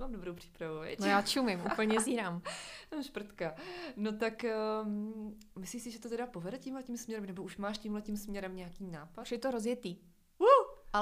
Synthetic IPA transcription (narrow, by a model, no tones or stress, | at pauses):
maːmdobɾowpr̥i̥pɾavuɛ̰nojaːt͡ʃumɪmʔṵpl̩ɲɛziːɾaːmt̪amʃpr̩t̪kano̞t̪ak | mɪsliːsɪʒɛt̪ot̪ɛdapo̞vɛdɛcimɦlɛcimsmɲɛɾɛmnɛboʔuʃmaːʃcimɦlɛcimsmɲɛɾɛmɲɛakiːnaːpaʃjɛt̪oɾozjɛt̪iː | uʔa